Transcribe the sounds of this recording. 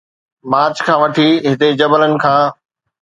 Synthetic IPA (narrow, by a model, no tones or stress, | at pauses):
maːt͡ɕkʰãːʋɐʈʰiɦɪt̪ed͡ʑɐbələnɪ̆kʰãː